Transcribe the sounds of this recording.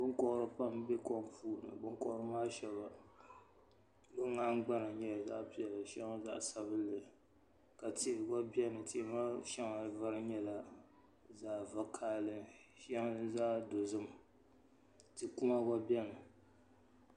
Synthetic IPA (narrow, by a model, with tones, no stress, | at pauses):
bʊ˦nkɔ˦ʔɾɨ˦pa˦mbɛ˦kɔ˦mpuː˦˨nɨ̰˨bʊ˦kɔ˦ʔɾɨ˦maː˦ʃɛ˦βa˨ | bʊ˦ŋː˦a˦ŋ̩˦ɡ͡ba˦na˨ɲɛ˦˨za̰˦ʔpi˨ɛ˨la˨ʃɛ˦ŋa˦za̰˦ʔsa˨βɨ˦lːɨ˨ | ka˨te˦˨ɡa˦bɛ˦nɨ˨tʰe˦˨˦ma˦ʃɛ˦ŋa˨va˦ɾɨ˦ɲɛ˦la˨ | zaː˦˨va˦kʰaː˦lɨ˦ʃa˦ŋ˦zaː˦do˨zɨ˦m | tɨ˨ku˦ma˦ɡa˦bi˦ɛ˦nɨ˨